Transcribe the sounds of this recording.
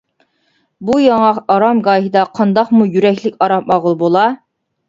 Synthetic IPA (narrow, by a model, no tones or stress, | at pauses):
bujɑŋɑqɑɾɑmɡɑːɦid̪ɑqʰɑnd̪ɑqmujyɾɛkʲlɪkʲɑɾɑmɑʁəlˠbolˠɑ